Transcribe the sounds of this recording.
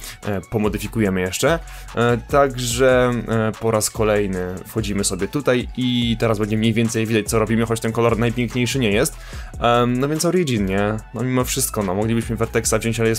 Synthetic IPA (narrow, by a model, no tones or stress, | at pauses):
pɔmɔd̪ɘfʲikujɛmɘjɛʂt͡ʂɛ | t̪aɡʐɛpɔɾaskɔlɛjnɘfxɔd͡ʑimɘsɔbʲjɛt̪ut̪ajit̪ɛɾazbɛɲd͡ʑɛmɲejvʲjɛnt̪sɛjvʲid̪at͡ɕ̚t̪sɔɾɔbʲimɘxɔt͡ɕt̪ɛnkɔlɔɾnajpʲjɛŋkɲejʂɘɲɛjɛst̪ | nɔvʲjɛnt̪sɔɾjed͡ʑinɲɛnɔmʲimɔfʂɘst̪̚kɔnɔmɔɡlʲibɘɕmɘvɛɾt̪ɛksad͡ʑɛ̃nt͡ɕaljɛs